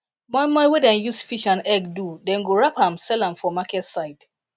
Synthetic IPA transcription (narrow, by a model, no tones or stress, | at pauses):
mɔ̃jmɔ̃jwɛdɛ̃njusfiʃãnɛɡdudɛ̃nɡoɹapãmsɛlãmfɔmakɛtsaɪd̥